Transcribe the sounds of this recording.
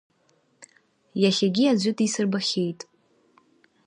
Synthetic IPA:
jaχʲaɡʲiad͡ʑʷʏtʼisɨrbaχʲejtʼ

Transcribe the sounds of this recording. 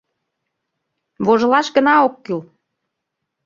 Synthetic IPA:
βoʒə̆lɑʃɡə̆nɑokːyl

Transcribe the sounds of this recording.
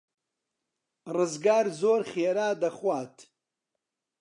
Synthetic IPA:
rɨzɡaːɾzoːɾχeːɾaːd̪ɐχwaːt̪ʰ

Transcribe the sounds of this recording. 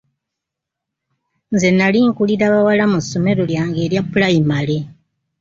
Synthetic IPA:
nze̞naliŋkuliɾaβawalamusːo̞me̞ɾo̞ljaːŋɡe̞ːɾjapːulajimale

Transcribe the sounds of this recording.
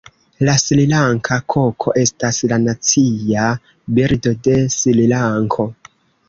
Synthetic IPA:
laslilaŋkʰakʰo̞kʰo̞ʔe̞staslanat͡sia | biɾdo̞de̞sililaŋkʰo̞

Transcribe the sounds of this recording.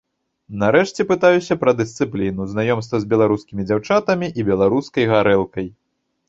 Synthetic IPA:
naɾɛʂt͡sʲɛpɨt̪ajusʲɐpɾɐd̪ɨst̪sɨplʲinuznajɔmst̪vɐzʲbʲɛlˠaɾuskʲimʲid͡zʲawt͡ʂat̪ɐmʲiʔibʲɛlˠaɾuskɐjɣaɾɛlˠkɐj

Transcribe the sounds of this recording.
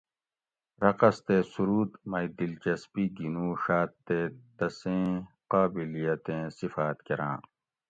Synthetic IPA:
ɾɐqɐst̪eːsuɾuːd̪mɐid̪ilt͡ɕɐspiːɡinũːɕaːt̪ːeːt̪ɐsẽː | qaːbilijɐt̪ẽːsifaːt̪keɾã̰ː

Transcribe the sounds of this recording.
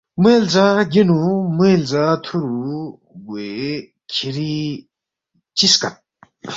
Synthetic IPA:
melzaɡinumelzat̪ʰuɾu | ɡe | kʰiɾi | t͡ɕiskat̪̚

